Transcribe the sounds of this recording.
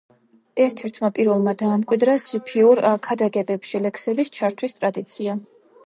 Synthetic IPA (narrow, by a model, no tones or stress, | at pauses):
ɛɾt̪ʰɛɾt̪ʰmapʼiɾvɛlˠmad̪aːmkʼwid̪ɾasipʰiuɾkʰad̪aɡɛbɛpʃilɛksɛbist͡ʃʰaɾt̪ʰwist̪ʼɾad̪it̪sʰia